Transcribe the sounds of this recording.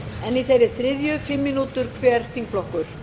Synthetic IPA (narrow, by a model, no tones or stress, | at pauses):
ɛniθejɾɪ̥θɾɪðjʏfɪmːinuːt̪ʏɾ̥kʰvɛːɾ̥θiŋk̚flɔhkʏɾ̥